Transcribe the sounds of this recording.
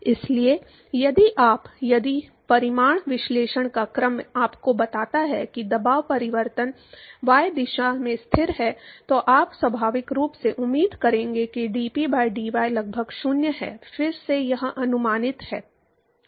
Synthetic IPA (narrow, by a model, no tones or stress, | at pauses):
ɪslie | jɐd̪iʔaːpjɐd̪ipɐɾɪmaːɳ̃ʋɪʃleːʃəɽ̃kakɾəmaːpkobɐt̪aːt̪aɦɛkid̪ɐbaːʋpɐɾɪʋəɾt̪ən | ʋaːjed̪ɪʃamẽst̪ʰɪɾɦɛt̪oʔaːpswɐbʱaːʋɪkɾuːpseʔʊmːiːd̪kɐɾẽːŋɡekiɖiːpibaːjɖiːʋaːjlɐɡ̚bʱəɡʃʊnjəɦɛ̰ːfɪɾsejɐɦʔɐnʊmaːnɪt̪hɛː